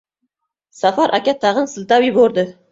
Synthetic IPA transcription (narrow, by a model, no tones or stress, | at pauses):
safɑɾʔakʲat̪ʰːɑʁənsɨlˠt̪awiboɾd̪ɪ